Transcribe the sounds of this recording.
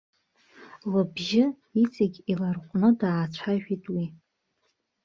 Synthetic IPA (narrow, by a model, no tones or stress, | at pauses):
labʒɪ | it͡sʼaɡʲilarqʷʼnɨdaːt͡ʃʷʰaʒᶣitʼwi